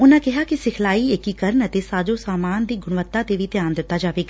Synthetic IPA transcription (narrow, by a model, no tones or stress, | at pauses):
ʊnə̆kɐɦakisɪkʰlaːiɦɪkikɐɾɳət̪esaːd͡ʑosaːmaːnd̪iːɡʱʊɽ̃ʋət̪ːat̪eʋit̪eãːnd̪ɪt̪ːad͡ʒaːʋeːkː